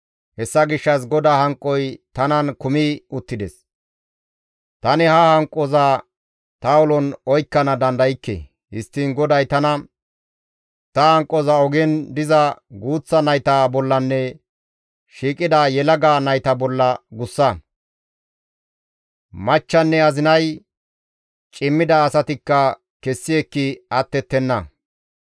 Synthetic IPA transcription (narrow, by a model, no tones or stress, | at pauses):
hɛsːɐɡɪʃːɐs̬ɡɔd̪aːhɐŋkʼːɔjt̪ɐnɐnkʊmiʊt̪ːɪd̪ɛs | t̪ɐnɛhɐhɐŋkʼːɔzaː | t̪ɐʊlɔnɔjkːɐnɐd̪ɐnd̪ɐjɪkːḛ | hɪst̪ːiːnɡɔd̪ɐjt̪ɐnɐ | t̪ɐhɐŋkʼːɔzɐɔɡɛnd̪ɪzɐɡuːt͡sːɐnɐjt̪aːbɔlːɐnːɛ | ʃiːkʼɪd̪ajɛlɐɡaːnɐjt̪ɐbɔlːɐɡʊsːɐ | mɐt͡ʃːɐnːɛɐzɪnɐj | t͡ʃʼɪmːɪd̪ɐːsɐt̪ɪkːɐ | kɛsːɪjɛkːɪɐt̪ːɛt̪ːɛnːɐ